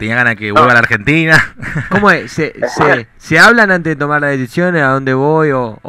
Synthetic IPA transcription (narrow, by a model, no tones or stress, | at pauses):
t̪eniaɣanaðekeβwelβalaɾxent̪inakomoesese | seaβlanant̪eðet̪o̞maɾlaðesisjo̞neaðo̞nd̪eβojo